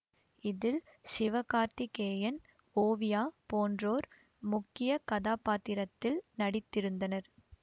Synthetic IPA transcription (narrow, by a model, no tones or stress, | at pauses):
ɪðɪlsɪʋɐkaːɾt̪ɪkeːjɐn | oːʋɪjaːpoːndroːɾ | mʊkːɪjɐkɐðaːpaːt̪ːɪɾɐt̪ːɪlnɐɽɪt̪ːɪɾɯnd̪ɐnɐɾ